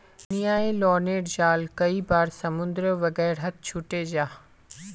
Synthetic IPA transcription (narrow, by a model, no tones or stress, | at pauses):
nijaːelɔːɾneːɖd͡ʑaːlkɐibaːɾsɐmʊ̃nd̪ɾəʋɐɡɛːɾɦɐt̪̚t͡ʃʰʊuʈed͡ʑaː